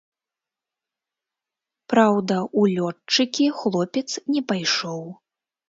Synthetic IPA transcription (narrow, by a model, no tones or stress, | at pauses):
pɾawd̪ɐulʲɔt͡ʂɨkʲixlˠɔpʲɛt̪snʲɛpajʂɔw